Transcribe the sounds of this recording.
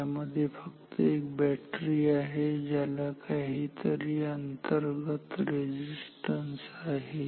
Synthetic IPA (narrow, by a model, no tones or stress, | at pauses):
aməd̪ʱːjefəkt̪əek̚bæʈɾiːaɦed͡ʑalakaɦit̪əɾiːənt̪əɾɡət̪ɾed͡ʑisʈənsaɦe